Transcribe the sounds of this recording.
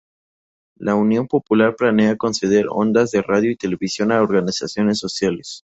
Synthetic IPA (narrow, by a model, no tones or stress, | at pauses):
launjo̞mpo̞pulaɾplane̞ako̞nse̞ð̞e̞ɾo̰nd̪azðe̞raðjoit̪e̞leβisjo̞naoɾɣanisasjo̞ne̞sːo̞sjales